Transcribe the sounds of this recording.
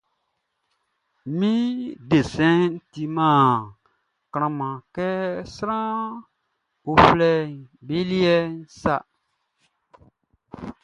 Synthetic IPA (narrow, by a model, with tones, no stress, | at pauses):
mĩ˦de˨sɛ̃˦n̩˦ti˧mãː˦˨ | kɾ̃ã˨mã˨kɛ˦sɾã˦ | o˧flɛ˦˨be˦li˦ɛ˦n˦sa˦